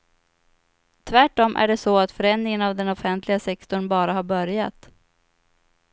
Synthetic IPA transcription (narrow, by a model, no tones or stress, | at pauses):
t̪ʰvæʈːɔmʔæ̰ɖɛsɔat̪fœɾɛnːɪŋənavd̪ɛnɔfɛnt̪ʰlɪɡasɛkt̪ɔɳbɑːɾaɦaɾbœɾjat̪